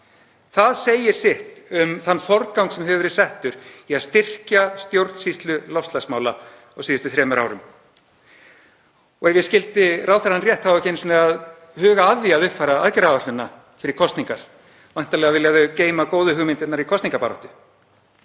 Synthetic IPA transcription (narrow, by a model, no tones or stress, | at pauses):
θaðseːjɪɾ̥sɪht̪ʏmθanːfɔɾkawŋksɛmɦɛvʏvɛɾɪðsɛht̪ʏɾ̥iaðst̪ɪr̥cast̪jowɾt̪n̥sist̪lʏlɔfst̪asmaːwla | ɔɣsiːðɪst̪ʏθɾɛːmʏɾa̰wɾʏm | ɔɣɛvjɪscɪlt̪ɪraːwθaɾanrjɛht̪hawɛcɪensmɛað | hʏːɣaaðjɪaðʏhfajɾaaðcɛɾavaht̪ʏnːa | fɪɾɪɾ̥kʰɔst̪niŋkaɾ̥ | vajn̥t̪alɛːɣavɪljaðʏceːjmakoːwðʏɦʏɣmɪnt̪ɛt̪naɾikʰɔst̪niŋkapaːɾɔ̰ht̪ʏ̥